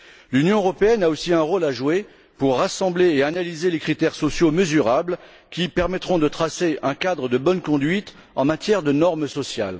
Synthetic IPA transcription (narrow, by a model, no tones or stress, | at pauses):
lynjɔ̃øʁɔpeɛnaosiɛ̃ʁolaʒwe | puʁːasɑ̃bleːanalizelekχit̪ɛʁsɔsjoməzyʁabl | kʲipɛʁmɛt̪χɔ̃d̪ət̪χaseʔɛ̃kad̪ʁəd̪əbɔnkɔ̃d̪ɥit̪ | ɑ̃mat̪jɛʁd̪ənɔʁmsɔsja̰l